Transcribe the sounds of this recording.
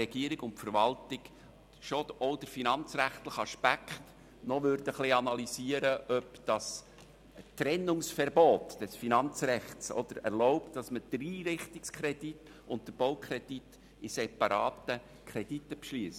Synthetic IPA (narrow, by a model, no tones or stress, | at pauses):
ɛɡiəɾɪɡʊnfəɾʋɑltɪɡ | ʃoɔʊd̥əɾfinɑnt͡sræχt̪ləχɑʃpækχt | nɔʋʏɾd̥əχliɑnɑlisiəɾəʔœpd̥ɑs | tɾɛnːʊŋsfɛrboːt̪d̥ɛsfinɑnt͡srɛχtsɔ̰d̪̥əɾɛɾloʊptd̥ɑsməd̪̥riːɾɪχtɪkskʰɾɛdit | ʊnt̚d̥əɾb̥oʊkʰɾɛd̥it | isɛpɑɾɑ̰ːtə | kʰɾɛd̥itːəpʃliːs